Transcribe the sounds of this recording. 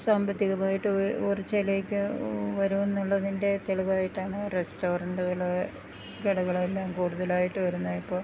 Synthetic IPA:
saːmbɐt̪ːiɣɐmaːjiʈːɨorit͡ɕːeleːkʲːɨʋɐɾuenːuɭːɐðinde̞t̪eɭiʋaːjiʈːaːɳɨresto̞ːrɐɳɖuɣɐɭ | ɡeɽɐɣɐɭelːaːmkuːɽuðɐlaːjiʈːɨʋɐɾunːɐipːo̞ː

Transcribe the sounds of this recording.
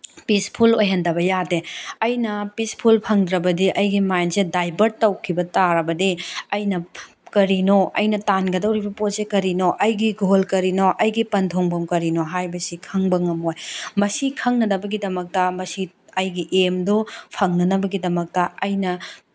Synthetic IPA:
pispʰulojɦɐndɐbɐjadeɐjnɐpispʰulpʰɐŋdɾɐbɐdiʔɐjɡimajnsedajbɐɾtɐwkʰibɐtaɾɐbɐdiɐjnɐ | kɐɾinoɐ̰jnɐtanɡɐdɐwɾibɐposekɐɾinoʔɐjɡiɡolkɐɾinoʔɐjɡipɐntʰoŋbɐmkɐɾinoɦajbɐsikʰɐŋbɐŋɐmojmɐsikʰɐŋnɐnɐbɐɡidɐmɐk̚tɐmɐsi | ɐjɡiʔemdopʰɐŋnɐnɐbɐɡidɐmɐk̚tɐɐjnɐ

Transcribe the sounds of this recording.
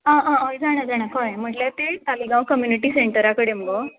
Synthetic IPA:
ãʔãɔjd͡zaɽ̃əd͡zaɽ̃akajm̤əʈlat̪et̪aliɡãwkəmjuniʈiːseɳʈəɾakəɽem̤əɡo

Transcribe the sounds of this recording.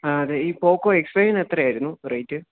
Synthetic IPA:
aɐðeiːpoːkːoːekspreʂɐnet̪rɐjaːjiɾunːurɐjtːɨ

